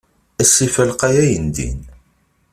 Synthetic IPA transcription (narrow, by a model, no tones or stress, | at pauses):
æsˤifəlqæjæjənd̪ḭn